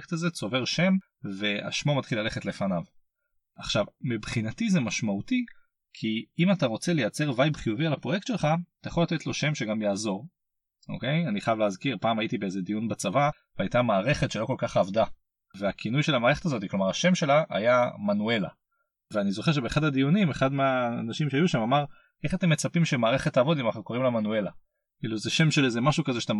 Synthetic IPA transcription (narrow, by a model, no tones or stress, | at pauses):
ktazet͡so̞ve̞ʁʃe̞m | ve̞a̰ʃmo̞matχilːale̞χetle̞fanav | aχʃavmibχinatizemaʃmauti | kʰiimat̪aʁo̞t͡sele̞jat͡se̞ʁvajbχijuvialapʁojektʃelχat̪ajaχo̞lat̪et̪lo̞ʃe̞mʃe̞ɡamjaːzo̞ʁ | ʔo̰ke̞janiχajavleːzkiʁpaːmajitibeezed̪ijunbat͡savaveajtamaːʁe̞χe̞t̪ʃe̞lo̞ko̞lkaχavd̪a | veakʰinujʃe̞lamaːʁe̞χet̪azo̞t̪̬iklo̞maʁaʃe̞mʃe̞laa̰jamanue̞la̰ | veanizo̞χeʃ̬ebeːχadad̪ijunimeχad̪meaːnaʃimʃeajuʃamamaʁ | ʔe̞χate̞mːet͡sapimʃemaːʁe̞χet̪ːaːvo̞dimanaχnuko̞ʁimlemanue̞la̰ | kiluzeʃe̞mʃelezemaʃukazeʃḁt̪a